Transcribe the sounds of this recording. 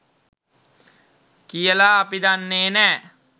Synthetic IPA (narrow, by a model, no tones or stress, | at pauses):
kijəlaːpid̪anːeːnɛː